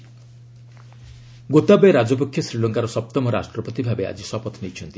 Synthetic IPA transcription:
ɡot̪abeɾad͡ʒɔpokʰjɔsɾilɔŋkaɾɔsɔp̚t̪ɔmɔɾa̰sʈɾɔpɔt̪ibʱabea̰d͡ʒisɔpɔt̪ʰnejt͡ʃʰɔnt̪i

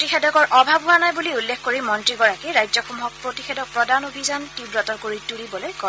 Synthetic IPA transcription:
tixɛdɔkɔɹʔɔbʱabʱɦuwanajbuliulːexkoɹimɔntɹiɡɔɹakiɹajzɔxɔmuɦɔk̚pɹotixɛdɔk̚pɹɔdanobʱizantibɹɔtɔɹkoɹitulibɔlojkɔ

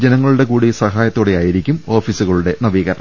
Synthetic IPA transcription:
d͡ʑenɐŋːɐɭuɽe̞kuːɽisɐɦaːjɐt̪ːoɽejaːjiɾikʲːumo̞ːfiːsuɣɐɭuɽe̞nɐʋiːɣɐɾɐ̰ɳɐ

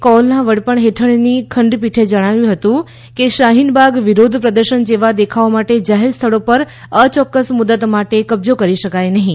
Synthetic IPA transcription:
kɔlnaʋəɽpəɳɦeʈʰəɳnikʰəɳɖpiʈʰed͡ʒəɽ̃aʋjũɦət̪ũ | keʃaɦinbaɡʋiɾod̪ʱpɾəd̪əɾʃənd͡ʒeʋad̪ekʰaomaʈed͡ʒaɦeɾst̪ʰəɭopəɾ | ət͡ʃɔkːəsmud̪ət̪maʈekəbzokəɾiʃəkajnəɦĩ

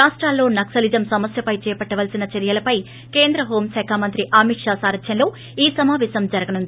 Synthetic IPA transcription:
aːʂʈɾaːlːo̞ːnɐksɐlid͡ʒɐmsɐmɐsjɐpɐjt͡ʃɛːpɐʈːɐʋɐlsinɐt͡ʃɐɾijɐlɐpɐj | ke̞ːnd̪ɾɐɦo̞ːmsɛːkʰaːmɐnt̪ɾiʔaːmiʈʂaːsaːɾɐt̪jɐnlo̞ː | iːsɐmaːʋɛːsɐmd͡ʒɐɾɐɡɐnund̪ii

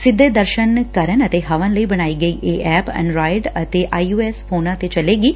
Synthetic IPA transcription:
sɪd̪ʱːed̪əɾʃənkɐɾənət̪eɦɐʋə̃nləibɐɽ̃aːiɡɐiːʔeʔɛːpɛ̰̃ɳɖɾaːjɖɐt̪eʔaːuːeːsfoːnãt̪et͡ʃɐleːɡiː

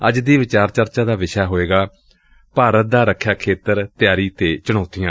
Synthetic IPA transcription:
əd͡ʒd̪iːʋɪt͡ʃaːɾt͡ʃəɾt͡ʃaːd̪aːʋɪʃaːɦoːeːɡaː | paːɾət̪̚d̪aːɾəkʰːjaːkʰeːt̪əɾt̪jaːɾiːt̪eːt͡ʃəɽ̃ɔːt̪ijãː

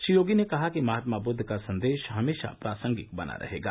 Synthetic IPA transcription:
ʃijoːɡinekɐɦakimɐɦaːt̪mabʊd̪ʱːkasɐ̃nd̪eːʃɦɐmeːʃa̰pɾaːsə̃ŋɡɪkbɐna̰ɾʔɐ̰ɦeːɡa̰ː

